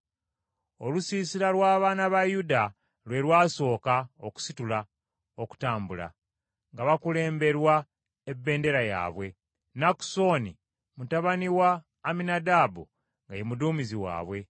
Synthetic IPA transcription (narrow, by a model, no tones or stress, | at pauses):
o̞lusiːsiɾalwaːβaːnaβajuda | lwe̞ɾwaːso̞ːkaoku̥situla | oku̥taːmbula̰ | ŋɡaβakule̞ːmbe̞ɾwa | ebːe̞ːnde̞ɾaja̰ːβwe̞ | naku̥so̞ːni | mutaβaniwaː | minadaːbu | ŋɡajemuduːmiziwa̰ːβwe̞